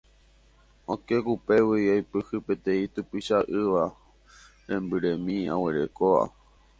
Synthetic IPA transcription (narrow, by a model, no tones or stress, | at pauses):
õke̞kupe̞wiojpɨhɨpet̪ẽ̞ĩt̪upiʃaʔɨʋa | ɾẽmbɨɾẽmĩã̰weɾe̞̰koa̰